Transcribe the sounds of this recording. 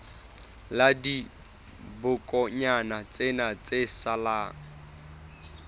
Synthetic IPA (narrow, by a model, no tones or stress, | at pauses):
ladi | bʊkʼɔɲanat͡sʼenat͡sesalaːŋ̩